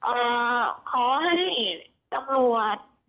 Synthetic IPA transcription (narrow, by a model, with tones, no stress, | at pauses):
ʔɤː˧˩kʰɔː˨˩˦ɦa˥˩jj | t̪a˧mlu˨˩ət̪̚